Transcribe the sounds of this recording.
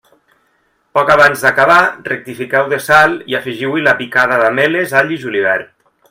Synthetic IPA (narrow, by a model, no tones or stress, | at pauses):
pɔkaβanzðakaβarek̚t̪ifikɛwðesalˠiafiʒiwilapikaðaðamelezaʎiʒuliβ̞ɛɾ